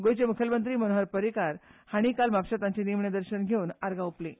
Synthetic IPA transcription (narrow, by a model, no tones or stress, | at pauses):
ɡojt͡ɕemukʰjəlmənt̪̬ɾiːmənoɦaɾpəɾikaɾhaɽ̃ikalmapɕat̪aɲt͡ɕenimɳjed̪əɾɕənɡʱeuːnaɾɡauple